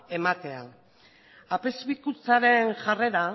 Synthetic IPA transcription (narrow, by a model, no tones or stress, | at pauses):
e̞mat̪e̞a | ape̞zβikut͡saɾe̞nʝare̞ɾa